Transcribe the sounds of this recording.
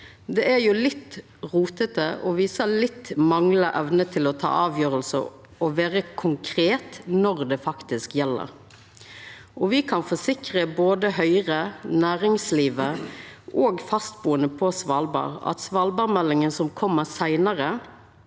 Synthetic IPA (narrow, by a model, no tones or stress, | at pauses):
d̪ɛæɾjʊlɪt̪ː | ʁuːt̪ət̪əʔɔʋiːsəlɪt̪ːmɑŋləʔɛʋnət̪ʰɪlɔt̪ʰɑ̰ːɑːʋjøːɾəlsə̰ | ɔʋeːɾəkʰʊŋkʰɾeːt̪nɔʁd̪ɛfɑkt̪ɪskjɛlːə̰ɾ | ʔɔʋɪkʰɑnfɔsɪkɾəboːd̪əhœʏʁənæːɾɪŋsliːʋəʔoːɡfɑst̪̚buːənəpʰɔsʋɑlbɑ̰ːʁɑ̰t̪sʋɑːlbɑːɾmɛlːɪŋənsɔmkʰɔmːəsæɪnəʁə